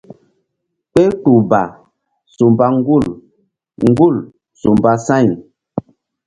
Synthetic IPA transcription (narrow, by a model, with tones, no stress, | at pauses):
k͡pe˦tu˨ba˨ | su˨mba˦ŋ˦ɡu˦˨l | ŋ̩˦ɡu˦˨l | su˨mba˦sa˦˨n